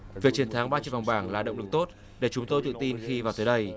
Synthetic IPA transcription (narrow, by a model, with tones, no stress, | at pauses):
vi˨˩k̚t͡ɕi˧˩ənt̪ʰa˨˦ŋɓaː˧t͡ɕɨ̰˧˨va˨˩ŋ͡mɓaː˧˩ŋlaː˨˩ɗə̰˧˨wŋ͡mlɨ˨˩k̚t̪o˦˥t̚ | ɗe˧˩t͡ɕʊ˨˦ŋ͡mt̪o˧jt̪ɨ̰˧˨t̪i˧nxi˧vaː˨˩wt̪əː˨˦jɗə˧j